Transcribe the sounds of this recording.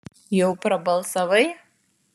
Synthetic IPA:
jowpʰrɐbɐlˠsɐvɐj

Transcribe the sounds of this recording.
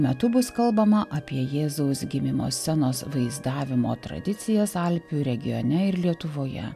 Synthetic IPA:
mʲɛt̪ʊbʊskɐlˠbɐmɐʔɐpʲiɛjeːzoʊsɡʲɪmʲɪmo̰ːsʲɛnoːsʋɐɪzd̪ɑːʋʲɪmo̰ːt̪ɾɐ̰d̪ʲɪt̪sʲɪjɛsɐlʲpʲuːɾʲɛɡʲɪjo̰nʲɛɪɾlʲiɛt̪ʊʋoːjɛ̰

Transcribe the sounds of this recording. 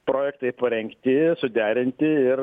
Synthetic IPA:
pɾoːjɛkt̪ɐɪpɐɾʲɛŋkt̪ʲɪsʊd̪ʲæːɾʲɪnʲt̪ʲɪɪr

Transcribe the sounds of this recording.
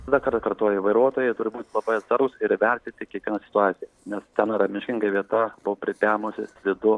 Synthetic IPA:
d̪ɑkɐɾt̪ɐkɐrt̪oːjɛiʋɐɪɾuɔt̪oːjɛɪt̪ʊɾʲɪbuːt̪ʲlˠɐbɐɪɐt̪sɐɾɡʊsɪɾʋʲɛrʲt̪ʲɪt̪ʲɪkʲiɛkʋʲiɛnɐːsʲɪ̥t̪ʊɑːt̪sʲɪjɛnʲɛst̪ʲɛnɐɾɐmʲɪʃʲkʲɪŋɡɐʋʲiɛt̪ɐbʊwpʲɾʲɪpʲæːmosʲɪsʲlʲɪd̪ʊ

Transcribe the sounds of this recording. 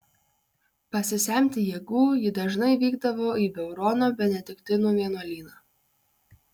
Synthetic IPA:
pɐsʲɪsʲɛmʲt̪ʲɪjeːɡuːjɪd̪ɐʒnɐɪʋʲiːɡd̪ɐʋoːiːbʲɛʊɾɔːnoːbʲɛnʲɛd̪ʲɪkt̪ʲɪnuːʋʲiɛnoːlʲiːnɑː

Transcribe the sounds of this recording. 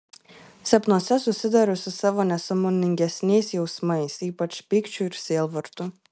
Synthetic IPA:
sʲɛpnuɔsʲɛsʊsʲɪd̪ɐɾʊsʲɪsɑʋoːnʲɛsɐmonʲɪŋʲɡʲɛsʲnʲɛɪsjɛʊsmɐɪsiːpɐt͡ʃpʲɪkt͡ʃʲuɪɾsʲiɛːlˠʋɐɾt̪ʊ

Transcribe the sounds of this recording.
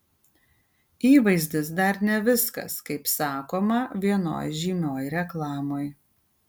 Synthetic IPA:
iːʋɐɪzʲd̪ʲɪsd̪ɐɾnʲɛʋʲɪskɐ̰skɐɪpsɑːkoːmɐʋʲiɛno̰ːjʒʲiːmʲoːjɾʲɛklˠɑːmoːj

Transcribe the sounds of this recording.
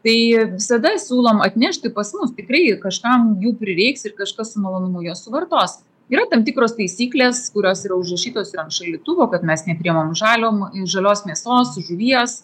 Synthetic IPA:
t̪ɐɪʋʲɪsɐd̪ɐsʲuːlˠoːmɐt̪ʲnʲɛʃʲt̪ʲɪpɐsmʊst̪ʲɪkɾrɐɪkɐʃkɐmjuːpʲɾʲɪɾʲɛɪksɪrkɐʃkɐssʊmɐlˠoːnʊmʊjoɔssʊʋɐrt̪oːs | iːɾɐt̪ɐmt̪ʲɪkɾoːst̪ɐɪsʲiːklʲeːskʊɾʲoːsiːɾɐʊʒrɐʃʲiːt̪oːsɪɾɐnt̪ʃɐlʲiɛt̪uʋoːkɐt̪mʲɛsnʲɛpʲɾʲiɛmoːmʒɑːlʲoːmʒɐlʲoːsmʲiɛsoːsʒʊʋʲiɛs

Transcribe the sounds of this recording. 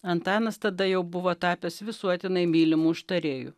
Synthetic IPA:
ɐnt̪ɑːnɐst̪ɐd̪ɐjɛʊbʊʋoːt̪ɑːpʲɛsʋʲɪsuɔt̪ʲɪnɐɪmʲiːlʲɪmuːʊʃt̪ɐɾʲeːjṵː

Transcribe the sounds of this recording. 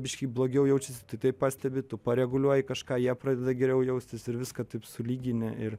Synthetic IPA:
bʲɪʃʲkʲiːblˠoːɡʲɛʊjɛʊt͡ʃʲɪsʲɪt̪ɐɪt̪ɐɪppɑːsʲt̪ʲɛbʲɪt̪ʊpɐɾʲɛɡʊlʲuɔjɪkɐʃkɑːjiɛpɾɑːd̪ʲɛd̪ɐɡʲɛɾʲɛʊjɛʊsʲt̪ʲɪsɪɾʋʲɪskɐt̪ɐɪpsʊlʲiːɡʲɪnʲɛɪr

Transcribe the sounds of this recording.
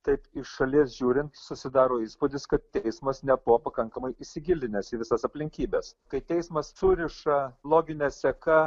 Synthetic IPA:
t̪ɐɪpɪʃʃɐlʲiɛsʒʲuːɾʲɪnt̪sʊsʲɪd̪ɑːɾoːiːspʊd̪ʲɪskɐt̪̚t̪ʲɛɪsmɐsnʲɛbʊʋoːpɐkɐŋkɐmɐɪʔɪʃsʲɪɡʲɪlʲd̪ʲɪnʲɛsiːʋʲɪsɐsɐpʲlʲɪŋʲkʲiːbʲɛːskɐɪt̪ʲɛɪsmɐssʊɾʲɪʃɐlˠoːɡʲɪnʲɛsʲɛkɐ

